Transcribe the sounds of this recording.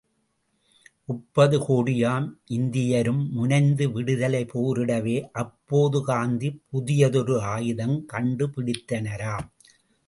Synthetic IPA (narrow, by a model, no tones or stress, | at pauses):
ʔʊpːɐðɯkoːɽɪjaːmʔɪnd̪ɪjɐɾɯmːʊnɐɪnd̪ɯʋɪɽɯðɐlɐɪpoːɾɪɽɐʋeːʔɐpːoːðɯkaːnd̪ipʊðɪjɐðɔɾɯaːjɪðɐmkɐɳɖɯpɪɽɪt̪ːɐnɐɾaːm